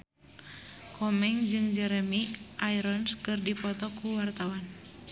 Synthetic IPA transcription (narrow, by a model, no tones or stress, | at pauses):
kʰɔmɛŋd͡ʒɨŋd͡ʒɛɾɛmiʔaiɾɔnskɨrdipɔt̪ɔkuwart̪awan